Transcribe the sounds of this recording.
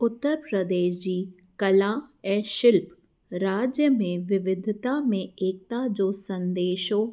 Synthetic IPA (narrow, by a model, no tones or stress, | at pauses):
ʊt̪ːəɾpɾəd̪eːʃd͡ʑiː | kɐlãɛ̃ːʃɪlp | ɾaːd͡ʑjəmẽʋɪʋɪd̪ʱɪt̪amẽeːk̚t̪ad͡ʑoːsɐ̃nd̪eːʃɦo